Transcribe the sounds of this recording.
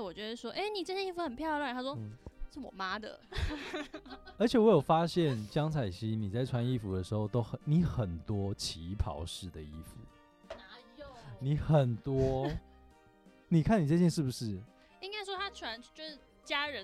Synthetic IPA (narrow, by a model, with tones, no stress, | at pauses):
wɔ˨˩t͡ɕɥɛ˧˥d̪ə˧ʂwɔ˥ʔe˥˩ɪni˨˩ʈ͡ʂə˥˧˩ɕɛ˥˧i˥˩fu˧˥xə˨˩npʰjɑ˥˧lwa˥˨˩t̪ʰa˥ʂwɔ˥˩ʂɻ̩˥˩wɔ̰˨˩ma˥d̪ə̰˨ | ə˞˧˥t͡ɕʰjɛ˨˩wɔ˧˥jo˨˩ʊfa˦ɕjɛ˥˨nt͡ɕjɑ˥ŋt͡sʰa˨˩ɪɕi˥ni˨˩t͡sa˥˩ɪʈ͡ʂʰwa˧˥ni˥˧fu˨˥d̪ə˦ʂɻ̩˧˥xo˥˧ʊt̪o˥ʊxə˨˩ni˨˩˦xə˨˩nt̪wɔ˥t͡ɕʰi˧˦pʰɑ̰˧˥ʊʂɻ̩˥˩d̪ə˩i˥˩fu˨˩ | ni˨˩xə˨˩nt̪wɔ˥ | ni˨˩kʰa˥˩ni˨˩t͡sa˥˧ɕjɛ˥˧nʂɻ̩˥˩bu˨˩ʂɻ̩˥˩ | i˥ŋka˥ɪʂwɔ˥t̪ʰa˥ʈ͡ʂʰwa˧˦nt͡ɕjʂ̩˥˩ | t͡ɕja˥ɻə˨˦n